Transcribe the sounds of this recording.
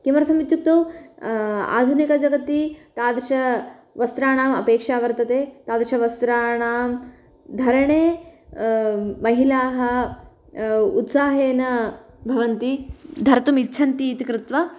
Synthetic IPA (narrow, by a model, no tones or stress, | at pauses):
k̪imɐɾɐsɐmit̪juk̚t̪oː | a̰ːd̪ʱunikɐd͡ʒɐɡɐt̪ːit̪aːd̪ɾɐʃɐ | ʋɐst̪ɾaːɳaːmɐpeːkʂaːʋɐɾt̪ɐt̪eːt̪aːd̪ɾʃɐʋɐst̪ɾaːɳaːm | d̪ʱɐɾɐɳeː | mɐɦilaːɦɐ | ut̪saːɦeːnɐ | bʱɐʋɐnt̪id̪ʱɐɾɐt̪umitːt͡ʃʰɐnt̪iːt̪ikɾɪt̪ʋɐ